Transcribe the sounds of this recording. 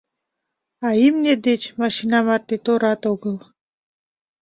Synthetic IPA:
ajimnʲed̪et͡ʃmaʃinamaɾt̪et̪oɾɑt̪oɡəl

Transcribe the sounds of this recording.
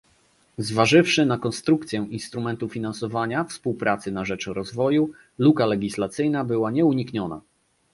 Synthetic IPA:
zvaʐɘfʂɘnakɔnst̪ɾukt̪sʲjɛʔinst̪ɾumɛnt̪ufʲinansɔvaɲafspuwpɾat̪sɘnaʐɛt͡ʂɾɔzvɔju | lukalɛɡʲislat̪sɘjnabɘwaɲɛuɲikɲɔna̰

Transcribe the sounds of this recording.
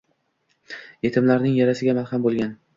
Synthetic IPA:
e̞t̪ʰɪmlaɾnɪŋjaɾasɪɡʲamalhambolˠɡʲan

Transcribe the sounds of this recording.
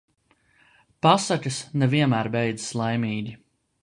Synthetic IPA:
pasacʲɨsnɛviɛmæːɾbɛjd̪zslˠajmʲiːɡʲi

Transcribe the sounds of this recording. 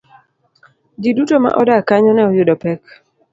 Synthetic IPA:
d͡ʒidutoma̰ʔɔdakaɲɔnɛɔjʊdɔpɛk

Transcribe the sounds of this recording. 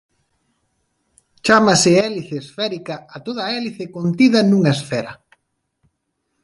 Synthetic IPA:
t͡ʃamasɪɛliθeːsfɛɾikaːt̪oð̞ɐɛliθɪkont̪iðɐnuŋaesfɛɾɐ

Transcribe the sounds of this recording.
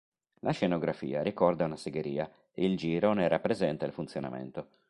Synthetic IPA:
lʔaʃenoɡɾafḭːaɾikɔrd̪aunaseɡeɾiːa | eild͡ʒiːɾonerapːɾezɛnt̪ailfunt̪sjona̰mḛnt̪o

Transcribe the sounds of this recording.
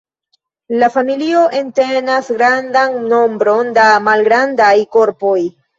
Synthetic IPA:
lafamilio̞ʔe̞nte̞nasɡɾandanːo̞mbɾo̞ndamalɡɾandajko̞ɾpo̞j

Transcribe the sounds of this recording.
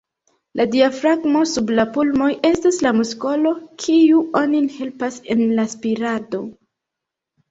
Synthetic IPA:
ladiafɾaɡmo̞sublapulmo̞je̞staslamusko̞lo̞kʰiuʔo̞ninhe̞lpase̞̰nlaspiɾado̞

